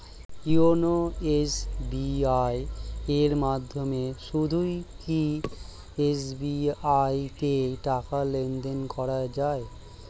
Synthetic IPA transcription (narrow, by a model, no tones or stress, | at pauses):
ionoesbiajeɾmad̪ʱːomeʃud̪ʱujki | esbiajt̪eʈakalend̪enkɔɾad͡ʑae